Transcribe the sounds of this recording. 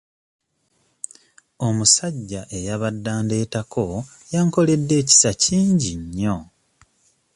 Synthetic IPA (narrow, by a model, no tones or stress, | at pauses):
o̞musaɟːaʔe̞jaβadːaːnde̞ːtakʰo̞ | jaːŋko̞le̞dːe̞ːci̥saciːɲɟiɲːo̞